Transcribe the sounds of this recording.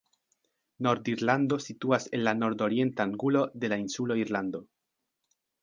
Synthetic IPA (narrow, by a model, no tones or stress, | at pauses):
no̞ɾd̪iɾland̪o̞situase̞nlano̞ɾd̪o̞ɾie̞ntaːŋɡulo̞d̪e̞lainsuloiɾland̪o̞